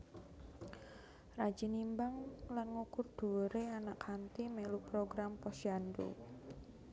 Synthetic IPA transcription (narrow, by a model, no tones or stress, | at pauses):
rḁd͡ʒ̥i̤nimbaŋlanŋukʊrd̪̥o̤ɾeanakhant̪imelupɾoɡɾampɔsjandṵ